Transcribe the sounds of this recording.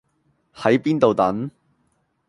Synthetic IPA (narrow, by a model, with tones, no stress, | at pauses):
hɐ˨˥jpiː˥nt̪o˨wt̪ɐ˨˥n